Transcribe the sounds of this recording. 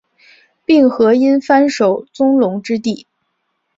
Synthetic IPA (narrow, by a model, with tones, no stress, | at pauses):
pi˥˩ŋxɤ˧˥i˥nfa˥nʂo˨˩ʊt͡sʊ˥ŋlʊ˧˥ŋʈ͡ʂɻ̩˥t̪i˥˩